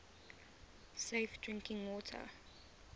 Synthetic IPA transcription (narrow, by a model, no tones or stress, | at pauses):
seɪfd̥ɹɪ̃ŋkɪ̃ŋwɔːtʰə̰